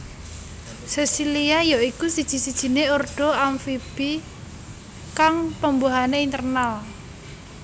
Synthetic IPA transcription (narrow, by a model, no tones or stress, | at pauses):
sɛsiliajaikusid̥ʒ̥i̤sid̥ʒ̥i̤neorɖ̥ɔ̤amfib̥i | kaŋpəmboɦaneint̪ərnal